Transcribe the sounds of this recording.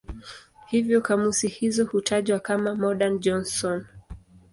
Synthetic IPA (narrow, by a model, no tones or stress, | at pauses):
hivjɔkamusihizɔhutʰaʄwakamamɔɗand͡ʒɔnsɔn